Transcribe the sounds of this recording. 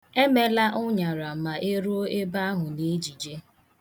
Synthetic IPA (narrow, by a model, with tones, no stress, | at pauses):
e˦me˦la˦ʔʊ˦ɲa˨ɾa˨ma˨ʔe˦ɾo˦o˦e˦ba˦a˦ɦʊ˨ne˦d͡ʒi˨d͡ʒe˦